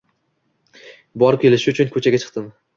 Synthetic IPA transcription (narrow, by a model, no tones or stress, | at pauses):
bɒɾkʲe̞lɪʃɪʊt͡ʃʰʊnkʰɵt͡ʃʰaɡʲat͡ʃʰɨ̥qt̪ɪm